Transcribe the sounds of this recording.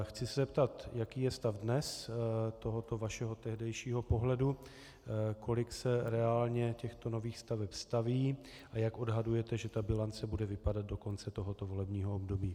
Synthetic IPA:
xt͡sɪsɛzɛpt̪at̪jakiːjɛst̪avdnɛst̪o̞ɦot̪o̞vaʃɛɦot̪ɛɦdɛjʃiːɦo̞po̞ɦlɛdu | kʰo̞lɪksɛɾɛaːlɲɛcɛxt̪o̞no̞viːxst̪avɛpst̪aviː | ʔajakʔo̞dɦadujɛt̪ɛʒɛt̪abɪlant͡sɛbudɛvɪpadad̪̚do̞ko̞nt͡sɛt̪o̞ɦot̪o̞vo̞lɛbɲiːɦoobdobiː

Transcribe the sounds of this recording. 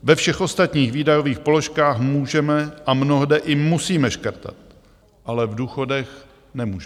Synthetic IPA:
vɛfʃɛxʔo̞st̪at̪ɲiːxviːdajo̞viːxpo̞lo̞ʃkaːxmuːʒɛmɛʔamno̞ɦdɛʔɪmusiːmɛʃkɾt̪a̰t̪̚ | ʔalɛvduːxo̞dɛx | nɛmuːʒɛ

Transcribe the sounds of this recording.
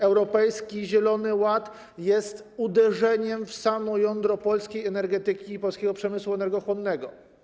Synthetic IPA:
ɛwɾɔpɛjskʲiʑɛlɔnɘwat̪ | jɛst̪ud̪ɛʐɛɲɛmfsamɔjɔnd̪ɾɔpɔlskʲejɛnɛɾɡɛt̪ɘkʲiːpɔlskʲɛɡɔpʂɛmɘswuɛnɛɾɡɔxwɔnːɛɡɔ

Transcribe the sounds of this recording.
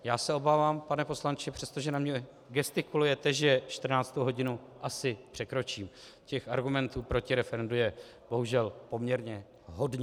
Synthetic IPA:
jaːsɛo̞baːvaːmpanɛpo̞slant͡ʃɪpr̥ɛst̪o̞ʒɛnamɲɛ | ɡɛst̪ɪkulujɛt̪ɛʒɛʃt̪r̩naːt͡st̪owɦo̞ɟɪnu | ʔasɪpr̥ɛkɾo̞t͡ʃiːm | cɛxaɾɡumɛnt̪uːpɾo̞cɪɾɛfɛɾɛndujɛ | bo̞ɦuʒɛlpo̞mɲɛɾɲɛ | ɦo̞dɲ

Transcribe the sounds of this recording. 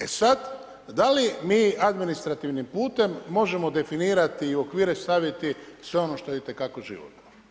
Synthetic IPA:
e̞sad̪ | d̪alimiːad̪minist̪ɾat̪iʋnimpuːt̪e̞mːo̞ʒe̞mo̞d̪e̞finiːɾat̪iːo̞kʋiːɾe̞st̪aʋit̪isʋe̞o̞no̞ʃt̪ojeit̪e̞kako̞ʒḭʋo̰t̪o

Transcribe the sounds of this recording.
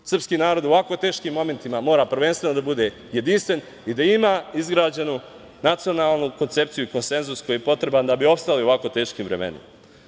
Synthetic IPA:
sr̩pskiːnaːɾo̞d̪oʋako̞t̪e̞ːʃkimːo̞me̞nt̪imamo̞ːɾaːpr̩ʋe̞nst̪ʋe̞nod̪abud̪e̞ | jed̪inst̪ʋe̞n | id̪aimaizɡɾaːd͡ʑenu | nat̪sio̞naːlˠnuko̞nt̪se̞pt̪sijuiko̞nse̞nzusko̞jijepo̞t̪ɾe̞band̪abiopst̪alio̞ʋako̞t̪e̞ːʃkimvɾe̞̰mḛnḭm

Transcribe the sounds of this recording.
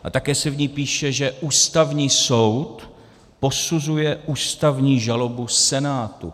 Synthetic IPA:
ʔa̰t̪akɛːsɛvɲiːpiːʃɛʒɛʔuːst̪avɲiːso̞wt̪ | po̞suzujɛʔuːst̪avɲiːʒalo̞busɛnaːt̪ṵ

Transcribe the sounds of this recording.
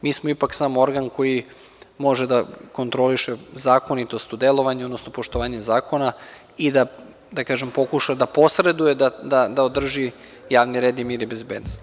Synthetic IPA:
miːsmoipaksaːmoo̞ɾɡanko̞ji | mo̞ʒed̪ako̞nt̪ɾo̞liʃezaːko̞nit̪o̞st̪ud̪e̞lo̞ʋaɲod̪nosnopo̞ʃt̪oʋaːɲezaːko̞na | id̪a | d̪akaːʒe̞mpo̞kuʃad̪apo̞sɾe̞d̪ujed̪ad̪ad̪aod̪r̩ʒi | jaːʋniɾeːd̪imiːɾibezbeːd̪nost̪

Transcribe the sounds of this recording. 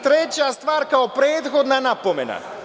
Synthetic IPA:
t̪ɾɛt͡ɕast̪ʋaːɾkaopɾeːt̪xod̪nanapomena̰

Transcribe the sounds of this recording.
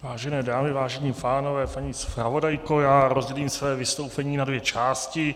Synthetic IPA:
vaːʒɛnɛːdaːmɪvaːʒɛɲiːpaːno̞vɛːpaɲɪspɾavo̞dajkojaːɾozɟɛliːmsvɛːvɪst̪o̞wpɛɲiːnadvjɛt͡ʃaːscɪ

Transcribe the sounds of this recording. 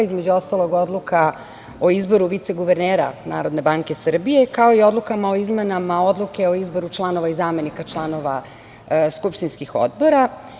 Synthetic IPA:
izmed͡ʑuo̞st̪alo̞ɡo̞d̪lukʰa | oizbo̞ɾuʋit̪se̞ɡuʋeɾneːɾa̰na̰ːɾo̞d̪ne̞baŋke̞sr̩bije̞kao̞io̞d̪lukamao̞izmenamao̞d̪lˠuke̞o̞izbo̞ɾut͡ʃlˠano̞ʋaizaːme̞nikat͡ʃlˠano̞ʋa̰ | skupʃt̪inskixo̰d̪bo̞ɾa

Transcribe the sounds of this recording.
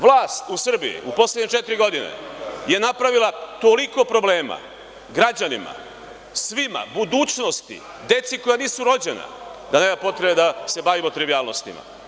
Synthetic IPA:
ʋlaːst̪usr̩bḭḭʔupo̞sledɲet͡ʃet̪iɾiɡo̞d̪ine̞̰je̞napɾaʋilˠat̪o̞liko̞pɾo̞ble̞ːma̰ | ɡɾad͡ʑanima̰ | sʋima̰bud̪uːt͡ʃno̞st̪ḭ | d̪e̞t̪siko̞janiːsuɾo̞d͡ʑe̞na̰ | d̪aneːmapo̞t̪ɾe̞bed̪ase̞baʋimot̪ɾiʋiaːlˠno̞st̪ḭma̰

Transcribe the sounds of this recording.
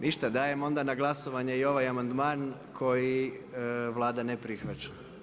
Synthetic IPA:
nʔiʃt̪ad̪aːje̞mo̞nd̪anaɡlˠaso̞ʋaɲeio̞ʋajamand̪maːn | kʰo̞ji | ʋlˠaːd̪anepɾixʋat͡ʃa

